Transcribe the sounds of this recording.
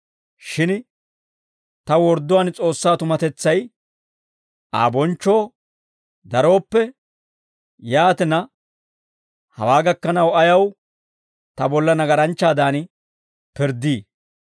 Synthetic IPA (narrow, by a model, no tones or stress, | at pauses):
ʃɪn | t̪ɐwɔɾd̪ʊwaːnt͡sʼo̞ːsːaːt̪ʊmɐt̪ɛt͡sːɐj | ʔa̰ːbɔnt͡ʃːo̞ː | d̪ɐɾo̞ːpːɛ | jaːt̪ɪnɐ | hɐ̰waːɡɐkːɐnɐwɐjɐw | t̪ɐbɔlːɐnɐɡɐɾɐnt͡ʃːaːd̪aːn | pɪɾd̪iː